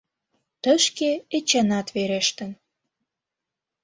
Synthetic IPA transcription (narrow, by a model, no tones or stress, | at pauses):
t̪əʃkeet͡ɕɑnɑt̪veɾeʃt̪ə̆n